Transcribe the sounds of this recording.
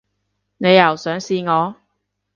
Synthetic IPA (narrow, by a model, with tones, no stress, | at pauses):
ne˨˧jːɐ˨˩wsœː˨˥ŋsiː˧ŋɔː˨˧